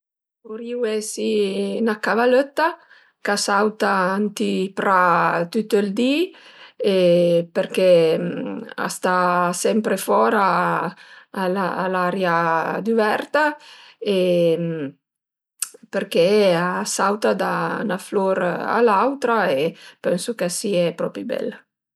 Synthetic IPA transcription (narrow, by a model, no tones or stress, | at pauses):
oɾiwɛsinakavaløt̪ːa | kasawt̪aant̪ipɾat̪yt̪ːəld̪i | epeɾkɛ | a̰st̪asɛmpɾefɔɾa | laːlaɾjad̪uvɛɾt̪aem | peɾkɛasawt̪ad̪a̰nafloɾa̰lawt̪ɾaepɛnsukasiɛpɾɔpɾibɛ̰l